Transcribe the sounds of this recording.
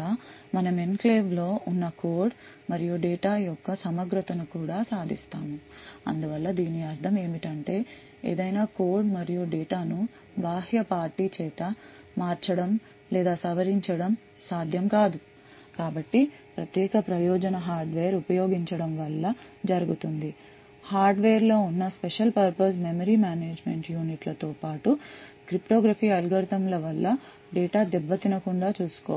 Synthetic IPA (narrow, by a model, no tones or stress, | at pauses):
aːmɐnɐmenkleːʋlo̞ːʔunːɐkoːɾɖ | mɐɾijuɖɛːʈaːjɔkːɐsɐmɐɡɾut̪ɐnukuːɽaːsaːd̪ʱist̪aːmuɐ̰nd̪uʋɐlːɐd̪iːniɐɾt̪ʰɐme̞ːmiʈɐɳʈe̞ː | ḛːd̪ɐjnaːkoːɾɖmɐɾijuɖɛːʈaːnu | baːɦjɐpaːɾʈiːt͡ʃɛːt̪ɐ | maːɾt͡ʃɐɽɐm | lɛːd̪aːsɐʋɐɾiɲt͡ʃɐɽɐm | saːd̪ʱjɐmkaːd̪u | kaːbɐʈːi | pɾɐt̪jɛːkɐpɾɐjɔːd͡ʒɐnɐɦaːɾɖʋeːɐɾupɐjo̞ːɡiɲt͡ʃɐɽɐmʋɐlːɐ | d͡ʒɐɾuɡut̪und̪i | haːɾɖʋeːɐɾlo̞ːunːɐspeʂɐlpɐɾpɐs̬memɐɾiːmaːneːd͡ʒme̞ɳʈjuːniʈlɐt̪oːpaːʈukɾipʈoːɡɾɐpiːɐlɡɐɾt̪ɐmlɐʋɐlːɐ | ɖɛːʈaːd̪ɛbːɐt̪inɐkuɳɖaːt͡ʃuːsu̥koː